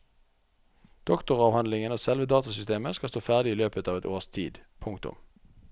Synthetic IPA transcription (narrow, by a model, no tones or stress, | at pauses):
d̪̥ɔkt̪ʊʁɑːʋhɑnlɪŋənoːsɛlʋəd̪ɑːt̪ɑsʏst̪eːməskɑlst̪oːfæʁd̪ɪiːløːpət̪ɑːʋɛt̪o̰ːʁst̪ʰḭːd̪pʰʊŋkt̪ʊ̰m